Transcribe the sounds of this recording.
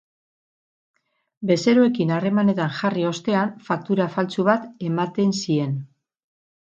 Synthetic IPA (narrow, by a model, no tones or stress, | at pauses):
be̞se̞ɾoe̞kinare̞mane̞t̪anʝario̞st̪e̞anfak̚t̪uɾafalt͡suβat̪e̞mat̪e̞nsie̞n